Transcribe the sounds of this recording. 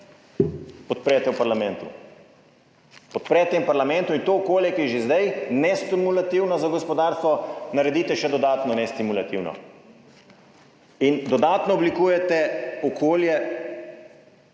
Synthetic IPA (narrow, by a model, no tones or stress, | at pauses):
pɔt̪̚pɾɛjt̪ɛwpaɾlamɛnt̪ṵ | pɔt̪̚pɾɛːt̪empaɾlamɛ̃nt̪uint̪oːkoːljɛkiʒezd̪ajnɛst̪imulat̪iwnɔzaɡɔspɔd̪aːɾst̪ʋɔnaɾɛd̪iːt̪ɛʃɛd̪ɔd̪aːt̪nɔnɛst̪imulat̪iwnɔ̰ | ind̪ɔd̪aːt̪nɔɔblikuːjɛt̪ɛɔkʰoːljɛ